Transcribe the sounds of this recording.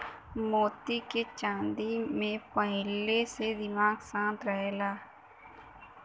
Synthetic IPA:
moːt̪iket͡ʃãːnd̪imẽpəɦɪlesed̪ɪmaːɡsãːnt̪ɾəɦeːlaː

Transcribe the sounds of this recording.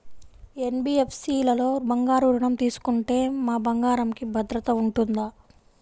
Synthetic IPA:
enbiːepsiːlɐlo̞ːbɐŋɡaːɾuːɾuɳɐmt̪iːsu̥kuɳʈe̞ːmaːbɐŋɡaːɾɐmkibʱɐd̪ɾɐt̪ɐuɳʈund̪aː

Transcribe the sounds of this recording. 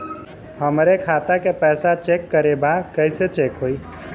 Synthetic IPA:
həmɾekʰat̪akepɛːsat͡ʃekːəɾebakəɪset͡ʃekɦoi

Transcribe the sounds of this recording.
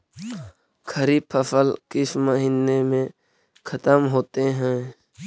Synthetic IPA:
kʰəɾipʰəfəlkɪsməɦiːnemẽ | kʰət̪əmɦoːt̪eɦɛ̃ː

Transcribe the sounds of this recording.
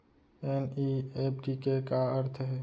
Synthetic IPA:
eniep̚ʰɖikekaəɾt̪ʰɦɛː

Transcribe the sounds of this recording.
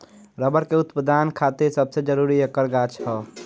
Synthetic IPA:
ɾəbəɾkeut̪pəd̪ankʰat̪iɾsəbsed͡ʒəɾuɾiəkəɾɡat͡ʃʰɦə

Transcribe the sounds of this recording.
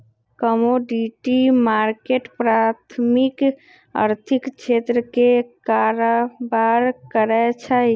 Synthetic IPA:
kəmoɖiʈimaɾkeʈpɾat̪ʰmik | ə̰ɾt̪ʰikt͡ʃʰet̪ɾəkekaɾobaɾkəɾɛt͡ʃʰə

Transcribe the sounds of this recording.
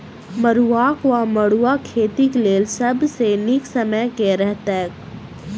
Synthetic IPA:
mɐɾuaːkʋamɐɽuakʰeːt̪ikleːlsɐbsenɪksɐməjkeɾɛɦt̪ak

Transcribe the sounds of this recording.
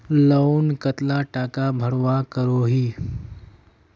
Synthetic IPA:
lonkət̪laʈaːkabʱəɽʋakəɾoɦiː

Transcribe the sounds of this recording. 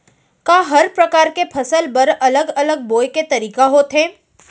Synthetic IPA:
kaːɦɐɾpɾɐkaːɾkepʰɐsəlbɐɾɐləɡɐləɡ̚boːjket̪ɐɾiːkaɦoːt̪ɦɛ̃ː

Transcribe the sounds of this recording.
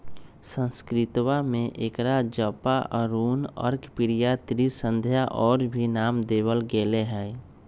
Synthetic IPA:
sə̃nskɾɪt̪wamẽʔekɾad͡ʒəpaʔəɾuːnɔ̰ːɾkɪpiɾijat̪ɾisə̃nd̪ʱjaʔɔːɾbʱinaːmd̪eːβəlɡeleɦɛː

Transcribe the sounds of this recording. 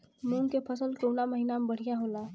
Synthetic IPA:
muŋkepʰəsəlkəwnaməɦinamebəɽ̤ijaɦola

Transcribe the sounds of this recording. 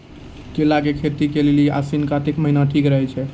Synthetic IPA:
kelaɡekʰet̪ikelelia̰sinkat̪ekməɦinaʈʰikɾəɦɛt͡ʃʰɛ

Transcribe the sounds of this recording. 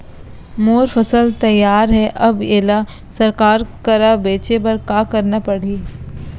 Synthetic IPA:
moːɾfɐsəlt̪ɐjːaːɾɦɛʔɐbeːla | sɐɾkaːɾkɐɾabeːt͡ʃebɐɾkaːkɐɾnapɐɽ̤iː

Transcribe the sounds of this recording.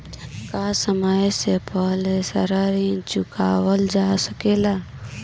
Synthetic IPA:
kasəməjsepəɦlesəɾəɾit͡ʃʊkaːwəld͡ʒasəkela

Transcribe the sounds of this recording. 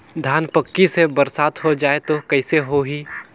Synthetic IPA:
d̪ʱjaːnpəkːisebəɾsaːt̪ɦod͡ʒaːet̪okɛɪseɦoɦiː

